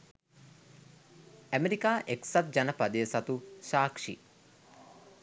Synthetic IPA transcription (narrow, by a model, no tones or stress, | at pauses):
æmeɾikaːʔeksat̪̚d͡ʒanəpad̪əjəsat̪uʃaːkʂḭ